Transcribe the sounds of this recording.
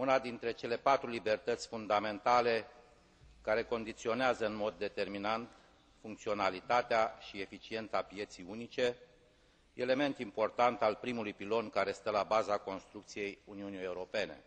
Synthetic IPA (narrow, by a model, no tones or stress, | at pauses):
unad̪int̪ɾe̞t͡ʃe̞le̞pat̪ɾulibe̞rt̪ət̪sʲfund̪ame̞nt̪ale̞ | kaɾe̞ko̞nd̪it̪sio̞neazəɨnmo̞d̪ːe̞t̪e̞rminant̪ | fuŋk̚t̪sio̞nalit̪at̪eaʃiefit͡ʃie̞nt̪sapije̞t̪sijunit͡ʃe̞ | ele̞me̞nt̪impo̞rt̪ant̪alpɾimulujpilo̞nkaɾe̞st̪əlabazako̞nst̪ɾuk̚t̪sijejuniunije̞uɾo̞pe̞ne̞̰